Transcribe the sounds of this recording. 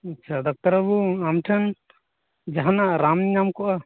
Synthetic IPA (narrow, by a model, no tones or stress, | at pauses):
ɐt͡ʃʰad̪ɔk̚t̪aɾabuamʈʰɛn | d͡ʒaɦanaʔɾamɲamkɔʔa